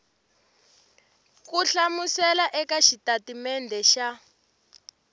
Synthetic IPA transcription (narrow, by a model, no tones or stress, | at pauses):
kuɬamusɛlaʔɛkaʃitatimɛndʱɛʃa